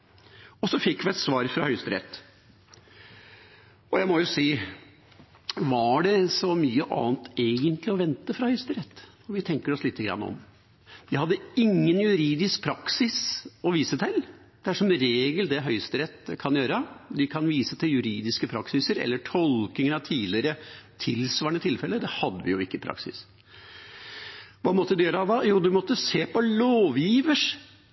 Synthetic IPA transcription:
ɔsɔfɪkːʋɪɛt̪sʋɑːɾfɾɑhœʏst̪əɾɛ̰t̪ː | ɔjæɪmɔjʊsiː | ʋɑɖɛsɔmyːəʔɑ̰ːnt̪eːɡənt̪lɪɔʋɛnt̪əfɾɑhœʏst̪əɾɛt̪ː | ɔʋɪt̪ʰɛŋkəɾɔslɪːt̪ːəɡɾɑ̰nːɔ̰m | ʋ̪ɪhɑd̪ːəɪŋːənjʉɾiːd̪ɪsk̚pʰɾɑksɪsɔʋiːsət̪ʰɪl | d̪̥ɛæʂɔmɾeːɡəld̪ɛɦœʏst̪əɾɛt̪ːkʰɑnjøːɾəd̪ɪkʰɑnʋiːsət̪ʰɪljʉɾiːd̪ɪskəpʰɾɑksɪsəɾɛ̰lːəʈʰɔlknɪŋəɾɑʋt̪ʰiːd̪lɪɾət̪ʰɪlsʋɑːɳət̪ʰɪlfɛlːəd̪ɛhɑd̪ːəʋɪ̰jʊɪkːəpʰɾɑ̰ksɪ̰s | ʋɑmɔt̪ːəd̪ʉjøːɾəɑʋɑjuːd̪ʉmɔt̪ːəseːpʰɔloːʋjiːʋəʂ

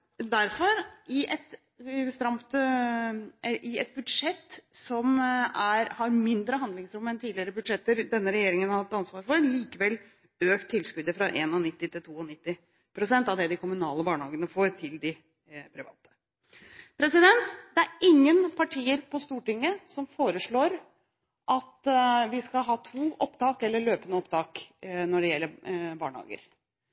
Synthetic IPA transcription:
d̪æɾfɔɾɪʔɛt̪ | st̪ɾɑmt̪ | ʔɪɛt̪̚bʉd̪ʂɛt̪ːsɔmæɾhɑɾmɪnd̪ɾəɦɑnd̪lɪŋsɾʊmːəɛnt̪ʰiːd̪lɪəɾəbʉd̪ʂɛt̪ːəɾd̪ɛnːəɾɛjeːɾɪŋənhɑɾhɑt̪ːɑnsʋɑːɾfɔɾliːkəʋɛlː | øːkt̪ʰːɪlskʉd̪əfɾɑʔeːnɔnɪt̪ːɪt̪ɪlt̪ʰuːɔnɪt̪ːɪ | pʰɾʊsɛnt̪ɑʋd̪ɛd̪ɪkʰʊmʉnɑːləbɑːɳəhɑːɡənəfoːɾt̪ʰɪld̪ɪ | pʰɾɪʋɑ̰ːt̪ʰə̥ | pʰɾɛsɪd̪ɛnt̪d̪ɛæɾɪŋːənpʰɑʈʰiːəɾpɔst̪uːʈɪŋːəsɔmfoːɾəʂɭoːɾ | ʔɑt̪ʋɪskɑlɦɑːt̪ʰuːʔɔpt̪ɑːkɛlːəɭøːpənəɔpt̪ʰɑːknɔɖɛjɛlːəbɑ̰ːɳhɑ̰ːɡə̰ɾ

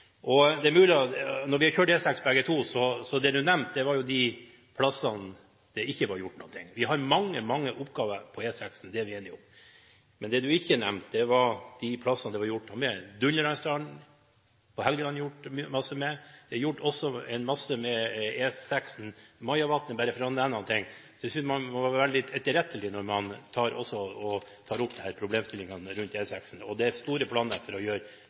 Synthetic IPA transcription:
ʔɔd̪ɛæɾmʉːlɪɑnɔɾʋɪhɑɾçøːʈɛːsɛkspʰbɛɡət̪ʰuːsɔsɔd̪ɛd̪ʉnɛmt̪̚d̪ɛʋɑɾjʊd̪ɪ | pʰlɑsɑn | d̪̥ɛɪçːəʋɑɾjʊʈːnɔ̰ːnt̪ʰɪ̰ŋːʋɪɦɑɾmɑŋːəmɑŋːəʔʊpːɡɑːʋəpʰɔɛːsɛksnd̪ɛʋɪɛnːɪʊm | mɛnd̪ɛd̪ʉɪçːənɛ̰mt̪d̪ɛʋɑɾd̪̥ɪpʰlɑsɑnd̪ɛʋɑɾjʊʈːɑmɛd̪ʉnləɾɑɪst̪ɑːɳ̩ | pʰɔhɛlɡəlɑnjʊʈːmɑsːəmɛd̪̥ɛɑjʊʈːɔsːɔɛɪnmɑsːəmɛeːsɛksn̩mɑɪɑʋɑt̪nəbæːɾəfɾɑɛnɛnɑnt̪ʰɪŋːsɔjæsʏnsmɑmʋɑɾʋɛld̪ɪɛt̪ːəɾɛt̪ːəlɪnɔɾmɑnt̪ʰɑːɾɔ̰sːɔɔt̪ʰɑːɾʊpːd̪ɛhæːɾpʰɾʊbleːmst̪ɪlːɪŋɑnɾʉnt̪eːsæksn̩ɔd̪ɛæst̪uːɾəpʰlɑːnəɾfɔɾɔjøːɾ

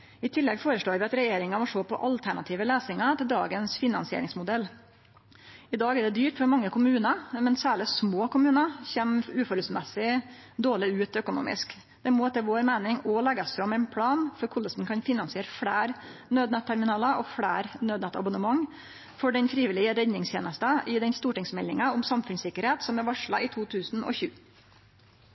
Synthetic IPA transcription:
ɪt̪ʰɪlːɛɡfoːɾəʂɭoːɾʋɪɑt̪ɾɛjeːɾɪŋɑmɔʂoːpʰɔ̰ʔɑlt̪ʰæɳɑt̪ʰiːʋəleːsɪŋɑt̪ʰɪld̪ɑ̰ːɡənsfɪnɑnsɪḛːɾɪŋsmʊd̪ɛlː | ɪd̪ɑːɡɛɖɛd̪yːʈfɔɾmɑŋːəkʰʊmʉːnɑmɛnsæːɭɪsmoːkʊmʉːnɑçeːmʉːfɔɾʉsmɛsɪd̪oːɭɪʉːt̪œkʊnṵːmɪ̰sk | d̪̥ɛmoːt̪ʰɛʋoːɾmæɪnɪŋɔlɛɡɑsfɾɑmɛɪnpʰɽɑːnfɔɾkʰʊləsn̩kʰɑnfɪnɑnsɪeːɾəfɽæːɾnøːd̪nət̪ʰːæɾmɪnɑːlɑʔɔfɽæ̰ːɾnøːd̪nɛt̪ɑ̰bʊnəmɑŋː | fɔɖɛnfɾiːʋɪlɪəɾɛd̪nɪŋst̪jeːnəst̪əʔɪd̪ɛnst̪uːʈɪŋsmɛlːɪŋɑɔmsɑmfʉnsɪkːəɾheːt̪sɔmɛɾʋɑʂɭɑ̰ɪt̪ʰuːt̪ʰʉːsn̩ɔ̰çʉ̰ː

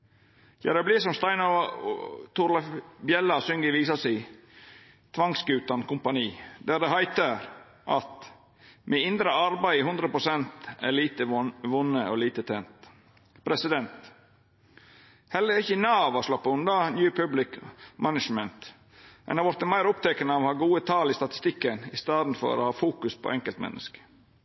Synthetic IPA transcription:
çæ̰ɾɑbliːsɔmst̪ɑɪnɑ | t̪ʰʊɾlɑfbjɛlːɑsʏŋɡəʋiːsɑsæɪ | t̪ʰʋɑŋsɡʉːt̪ɑnkʊmpɑniːd̪æːɾd̪ɛɦæɪt̪əɾ | ʔɑt̪ | mʔɛɪnd̪ɾəɑɾbæɪhʉnd̪ɾəpɾʊsɛnt̪æ̰liːt̪əʋʊnːəo̰liːt̪ət̪ʰeːnt̪ | pʰɾɛsɪd̪ɛnt̪ | hɛlːəɾɪçənɑːʋɑslɑpːɑʉnd̪ɑnjʉːpʰʉblɪkmʔænəʂmənt̪ | ɛ̰nɑʋɔɾt̪əmæɪɾʊp̚t̪ʰɛkənəohɑːɡuːət̪ʰɑːlist̪ɑt̪ɪ̥st̪ɪkːənɪst̪ɑːd̪n̩fɔ̰ɾo̰hɑːfuːkʉspʰo̰ːʔɛŋkəlt̪mɛ̰nːʔə̰skə̥

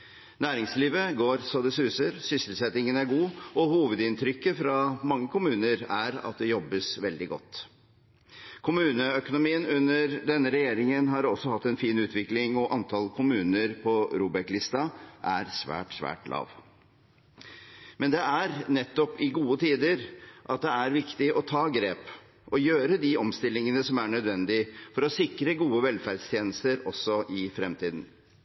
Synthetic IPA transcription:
næːɾɪŋsliːʋəɡoːɾsɑd̪ɛsʉːsəɾsʏsəlsɛt̪ɪŋənæɾɡuːɔhuːʋəd̪ɪnt̪ʰɾʏkːəfɾɑmɑŋːəkʰʊmʉːnəɾæɾɑ̰t̪̚d̪ɛjɔbːəsʋɛld̪ɪɡɔ̰t̪ː | kʰʊmʉːnəœkʊnʊmiːənʉnːəɾd̪ɛnːəɾɛjeːɾɪŋənɦɑɾɔsɔhɑt̪ːɛnfiːnʉːt̪ʰʋɪklɪŋɔʔɑnt̪ʰɑlkʰʊmʉːnəɾpʰɔɾuːbɛklɪst̪ɑʔæɾsʋæ̰ːʈsʋæ̰ːʈlʔɑ̰ːʋ | mɛnd̪ɛæɾnɛt̪ːɔpɪɡuːət̪ʰiːd̪əɾʔɑt̪̚d̪ɛæɾʋɪkt̪ɪʔɔt̪ʰɑːɡɾeːp | ʔɔjøːɾəd̪ɪɔmst̪ɪlːɪŋənəsɔmæɳœd̪ʋɛnd̪ɪfɔɾɔsɪkɾəɡuːəʋɛlfæɾɖst̪ʰjeːnəst̪əɾɔsːɔʔɪfɾɛmt̪ʰiːd̪n̩

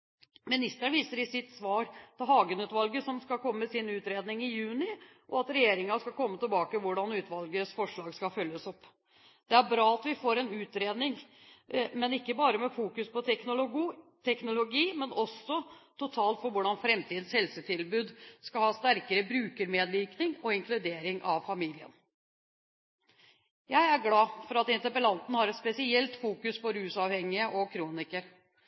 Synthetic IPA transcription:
mɪnɪst̪əɳʋiːsəɾɪsɪt̪sʋɑːɾt̪ʰɛɦɑːɡənʉːt̪ʋɑlɡəsɔmskɑlkʰɔmːəmɛsɪnʉːt̪ɾeːd̪nɪŋɪjʉːnɪ | ʔɔɑt̪ɾɛjeːɾɪŋɑskɑlkɔmːət̪ɪlbɑːkəʋʊɖɑnʉːt̪ʋɑlɡəsfɔʂɭɑːɡskɑfœljəsɔpː | d̪̥ɛæɾbɾɑːɑt̪ʋɪfoːɾɛnʉːt̪ɾeːd̪nɪŋ | mɛnɪkːəbɑːɾəmɛfuːkʉspɔt̪ʰɛknʊlʊt̪ʰɛknʊlʊɡiːmɛnɔsɔt̪ʰʊt̪ʰɑːlt̪fɔɾʋʊɖɑnfɾɛmt̪ʰiːd̪n̩shɛlsət̪ʰɪlbʉːd̪skɑlhɑːst̪æɾkəɾəbɾʉːkəɾmeːd̪ʋɪːknɪŋɔɪŋklʉd̪eːɾɪŋʔɑ̰ʋfɑmiːlɪə̰n | jæɪæɾɡlɑːfɔɾɑt̪ɪnt̪əpəlɑnt̪n̩hɑɾɛt̪spɛsɪɛlt̪fuːkʉspɔɾʉːsɑʋhɛŋːɪəʔɔkʰɾuːnɪkəɾ

